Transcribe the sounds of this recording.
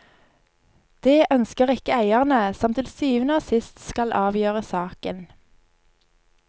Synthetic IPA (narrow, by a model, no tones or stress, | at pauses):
d̪̥eːʔœnskəʁɪkəæɪəʁnəsɑmt̪lsyːʋənoːsɪst̪skɑlʔɑːʋjøːʁəsɑːkən